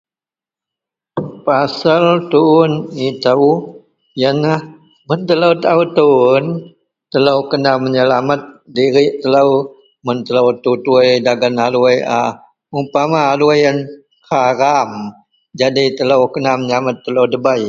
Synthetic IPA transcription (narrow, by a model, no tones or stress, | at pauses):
pasəlt̪uːnit̪aw | jənah | mənt̪ələwt̪aut̪un | t̪ələwkənaməɲəlamət̪̚diɾiʔt̪ələw | mənt̪əlawt̪ut̪uəjdaɡanaluəjʔa | umpamaːluwəjən | haɾam | d͡ʒadit̪ələwkənahməɲəlamət̪ːəlowdəbaj